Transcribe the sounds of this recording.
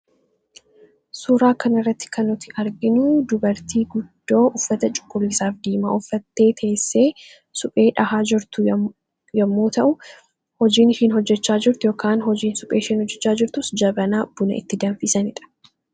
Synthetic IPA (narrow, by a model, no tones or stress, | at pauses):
suːɾaːkɐnɪrːɐt̪ːɪ̥kʰɐnːʊt̪ɪʔɐɾɡɪnʊd̪ʊbɐɾt̪iːɡʊd̪̥ːo̞ːʔʊfːɐt̪ɐt͡ʃʼʊ̥kʼːʊlːɪsaːfd̪iːma̰ːʔʊfːɐt̪ːe̞ːt̪ʰe̞ːsːe̞ː | sʊpʼe̞ːᶑɐhaːd͡ʒɪɾt̪ʊ | jɐmːoːt̪ɐʔʊ | hɔd͡ʒiːnʃɪnhɔd͡ʒːɛt͡ʃːaːd͡ʒɪɾt̪ɪjo̞ːkaːnɦɔd͡ʒiːnsʊpʼeːʃɪnhɔd͡ʒːɛt͡ʃːaːd͡ʒɪɾt̪ʊsd͡ʒɐbɐnaːb̥ʊnɐ̰ʔɪ̰t̪ːɪd̪ɐnfɪsɐnɪᶑɐ̥